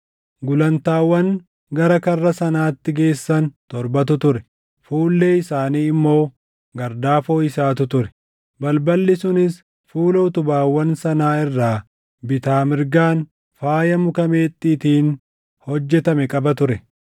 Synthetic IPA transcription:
ɡʊlɐnt̪aːwːɐŋ | ɡɐɾɐkɐrːɐsɐnaːt̪ːɪɡe̞ːsːɐnt̪ɔɾbɐt̪̬ʊt̪ʊɾɛ | fuːlːe̞ːɪsaːniːɪmːo̞ː | ɡɐɾd̪aːfoːɪsaːt̪ʊt̪ʊɾɛ̥ | bɐlbɐlːɪsʊnɪs | fuːlɐʊt̪ʊbaːwːɐnsɐnaːɪrːaː | bɪt̪aːmɪɾɡaːn | faːjɐmʊkɐmeːt̪ʼːiːt̪iːn | hɔd͡ʒːɛt̪ɐmɛkʼɐbɐt̪ʊɾɛ

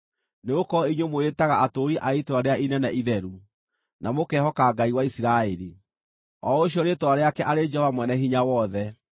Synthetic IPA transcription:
neokɔiɲwomoetaɣaʔatoːɾiʔaitwaɾeainɛnaʔiðɛɾu | namokɛhɔkaɡaiwaisiɾaeɾi | ɔoɕ̬iɔɾetwaɾeakɛʔaɾed͡ʒɛɔvamwɛnɛɦiɲawɔðɛ

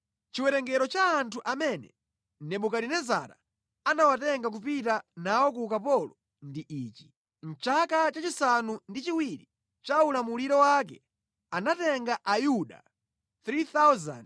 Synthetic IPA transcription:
t͡ʃiwɛɾɛŋɡɛɾɔt͡ʃaːntʰuʔamɛnɛ̰ | nɛɓukaɾinɛzaɾa̰ | anawatɛŋɡak̬upitanawɔk̬ukapɔlɔ | ndiʔiːt͡ʃi̥ | n̩t͡ʃakat͡ʃat͡ʃisanundit͡ʃiwiɾi | t͡ʃaulamuliɾɔwak̬ɛ | anatɛŋɡaʔajuɗa̰ | θɾiθawza̰nd

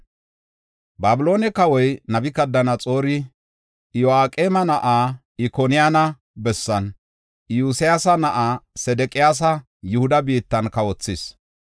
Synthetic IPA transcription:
baːbɪlo̞ːnɛkɐwɔjnɐbɪkɐd̪ːɐnɐt͡sʼo̞ːɾɪ | jɔaːkʼeːmɐnɐʔaː | ɪkonɪjaːnɐ | bɛsːɐn | juːsɪjaːsɐnɐʔaːsɛd̪ɛkʼɪjaːs̬ɐ | jʊhʊd̪ɐbiːt̪ːɐnkɐwɔt͡sːɪs

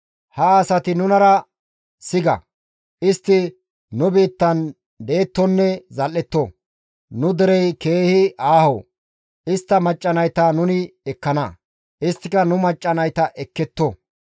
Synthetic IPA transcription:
hɐsɐt̪ɪnʊnɐɾɐ | sɪɡɐ̰ | ɪst̪ːɪ | nʊbiːt̪ːɐn | d̪e̞ːt̪ːɔnːɛzɐlːɛt̪ːɔ | nʊd̪ɛɾɛjke̞ːhɪʔaːho̰ | ɪst̪ːɐmɐt͡ʃʼːɐnɐjt̪aːnʊnɪɛkːɐnɐ | ʔɪst̪ːɪkɐnʊmɐt͡ʃʼːɐnɐjt̪ɐʔɛkːɛt̪ːɔ

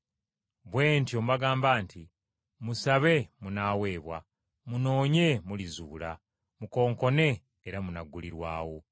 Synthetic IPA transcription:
βwe̞ːnto̞ːmbaɡaːmbaːntʰi | musaβe̞munaːwe̞ːβwa̰ | muno̞ːɲe̞mulizṵːla | muko̞ːŋko̞ne̞ː | ɾamunaɡuliɾwa̰ːwo̞

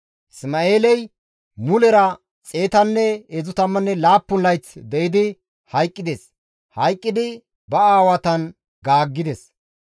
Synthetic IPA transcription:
smaeːlɛj | mʊlɛɾɐ | t͡sʼe̞ːt̪ɐnːɛezʊt̪ɐmːɐnːɛlaːpːʊnlɐjt͡sd̪ɛʔɪd̪ɪ | hɐjkʼːɪd̪ɛs | hɐjkʼːɪd̪ɪ | bɐaːwɐt̪ɐn | ɡaːɡːɪd̪ɛs

